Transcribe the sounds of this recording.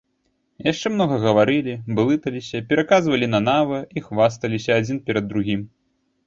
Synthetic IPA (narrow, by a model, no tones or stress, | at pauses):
jaʂt͡ʂɛmnɔɣɐɣɐvaɾɨlʲibɨlˠɨt̪ɐlʲisʲɐpʲɛɾakazvɐlʲinɐnavɐixvast̪ɐlʲisʲɐːd͡zʲinpʲɛɾɐd̪ːɾuɣʲim